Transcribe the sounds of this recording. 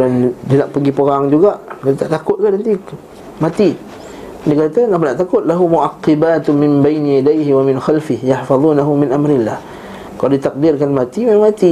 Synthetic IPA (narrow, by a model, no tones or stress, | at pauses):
andinaʔpəɡipəɣaŋd͡ʒuɡaʔkat̪aʔt̪akʊt̪̚kadant̪i | mat̪i | dikat̪anap̬anaʔt̪akʊt̪̚laɦumuʔaqːɪbaːt̪mɪmbajnijadajɦiwamɪnxalfɪhjaħfɑðˤuːnaɦumɪnʔamɾɪlːah | kaladit̪aq̚dɪrkanmat̪imamaŋmat̪i